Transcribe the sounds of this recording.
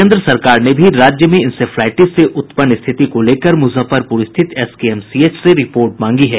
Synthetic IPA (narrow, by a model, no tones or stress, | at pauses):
ẽːnd̪ɾəsɐɾkaːɾnebʱiɾaːd͡ʒjəmẽɪnseflɛːʈɪseʔʊt̪pənɪst̪ʰɪt̪ikoleːkəɾmʊsəfəɾpʊɾɪst̪ʰɪt̪ɛskiɛmsieːt͡ʃseɾɪpoːɾʈmãːŋɡiɦɛː